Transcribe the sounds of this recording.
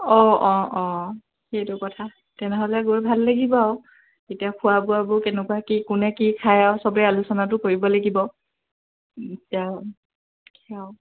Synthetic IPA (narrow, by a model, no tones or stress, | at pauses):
ɔ̃ɔ̃ɔ̃ | xejtʊkɔtʰa | tɛnɛɦɔlɛɡoɹbʱalːaɡibɔʊ | etijakʰʊabʊabʊkɛnɛkuakikʊnɛkikʰajawsɔbɹɛalusɔnat̬ʊkoɹibɔlaɡibɔ | itia | kʰaʊ